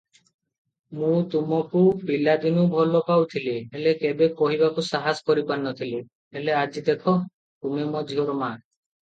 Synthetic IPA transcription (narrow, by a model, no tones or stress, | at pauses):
mũt̪umɔkupilad̪inubʱɔlɔpawt̪ʰilielekebekɔɦibakusaɦaskɔɾipanɔt̪ʰili | elead͡ʒid̪ekʰɔ | t̪umemɔd͡ʒʱiɦɔɾɔma